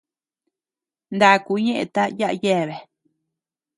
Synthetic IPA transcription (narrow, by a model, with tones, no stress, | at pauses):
nd̪a˨ʔku˧˦ɲẽ˦ʔḛ̃˧t̪a˦ja˦ʔa̰˧je˦˨βe˨